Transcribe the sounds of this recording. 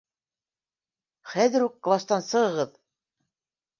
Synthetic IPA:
χæðɘ̆ɾukːlˠast̪ɑnsɤ̆ʁɤ̆ʁɤð

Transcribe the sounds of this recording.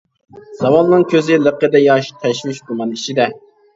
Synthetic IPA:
z̥ɑwɑnnɨŋkʲʰøzɪləqːəd̪ɛjɑʃt̪ʰɛʃwɪʃd̪umɑnit͡ʃid̪ɛ

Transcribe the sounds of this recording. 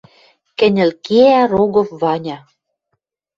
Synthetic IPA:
kɘ̆nʲɘ̆lkeæɾoɣɤ̆fvɑnʲɑ

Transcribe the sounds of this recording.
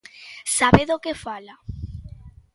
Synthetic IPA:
saβeðokefala

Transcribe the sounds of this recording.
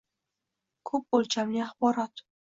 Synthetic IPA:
kʰɵp̚ːolˠt͡ʃʰamnɪaχbɒɾɒt̪

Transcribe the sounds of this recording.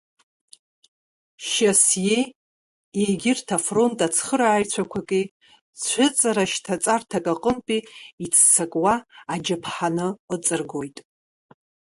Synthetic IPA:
ʃasjej | ejɡʲɪrtʰafro̞ntʼat͡sʰχəɾaːjt͡sʷʰakʷʰakʼi | t͡st͡ɕʷʰʊt͡sʼaɾaʃtʰat͡sʼartʰakʼaqʼənpʼiːt͡sʰːakʼwaːd͡ʒapʰħanɨət͡sʼɨrɡo̞jtʼ

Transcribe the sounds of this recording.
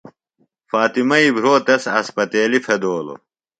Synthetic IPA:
faːt̪imɐibʱɾoːt̪ɐsɐspɐt̪eːlifʰed̪oːlo̰

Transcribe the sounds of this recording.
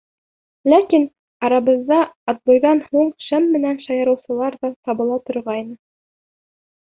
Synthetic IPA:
lækin | ɑɾɑβɤ̆zdɑːt̪lˠujðɑnhuɴʃɘmːɘ̆nænʃɑjɤ̆ɾɤ̆wsɤ̆lˠɑɾðɑt̪ɑβɤ̆lˠɑt̪ŏɾʁɑjnɤ

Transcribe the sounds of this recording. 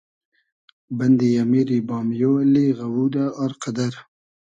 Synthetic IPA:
band̪ijamiɾibɑːmjoliɣawud̪aaɾqad̪aɾ

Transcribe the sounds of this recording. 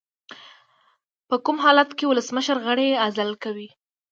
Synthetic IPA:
pəkumɦɑlat̪kewʊləsməʃəɾɣəɽeazalkawi

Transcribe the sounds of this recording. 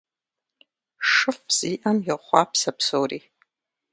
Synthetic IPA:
ʂɨfz̥iʔanjɪχʷapʰsapʰsowri

